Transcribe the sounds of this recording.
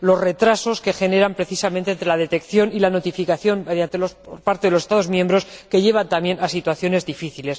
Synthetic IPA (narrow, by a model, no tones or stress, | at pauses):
lo̞sre̞t̪ɾaso̞ske̞xe̞ne̞ɾampɾe̞θisament̪ent̪ɾe̞laðe̞t̪e̞kθjo̞nilano̞t̪ifikaθjo̞mmeðjant̪elosoɾpaɾt̪eðlosest̪aðo̞zmjẽ̞mbɾo̞ske̞ʎe̞β̞ant̪amje̞nʔasit̪waθjo̞ne̞zðifiθile̞s